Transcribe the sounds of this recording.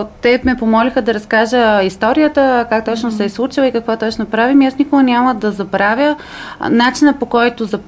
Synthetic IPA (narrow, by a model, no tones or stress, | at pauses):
t̪ɛmɛpomɔlixəd̪ɐɾɐskaʒəist̪ɔɾijət̪əkak̚t̪ɔt͡ʃnʊsɛɛslˠut͡ʃilˠəikəkvɔt̪ɔt͡ʃnopɾavimiasnʲikoʊɡɐnʲaməd̪ɐzɐbɾavʲə | nat͡ʃinəpokɔjt̪ʊzɐ